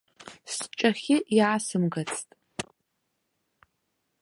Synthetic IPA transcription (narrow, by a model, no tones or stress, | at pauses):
st͡ʃʼɐxʲɪjaːsɨmɡɐt͡sʰtʼ